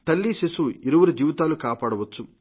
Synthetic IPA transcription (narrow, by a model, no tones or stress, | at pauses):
t̪ɐlːisesuiɾuʋɐɾid̪jiːʋt̪aːlukaːpaːɽɐʋɐt͡ʃːu